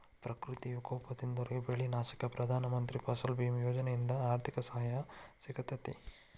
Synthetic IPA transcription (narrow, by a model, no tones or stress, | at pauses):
pɾɐkɾut̪ijukoːpɐt̪ind̪oɾeɡebeɭinaːʃi̥kɐpɾɐd̪ʱaːnɐmɐnt̪ɾipɐsɐlbimjoːd͡ʒɐnejind̪ɐaːɾt̪ʰikɐsɐɦɐjasikɐt̪ɐt̪ḭ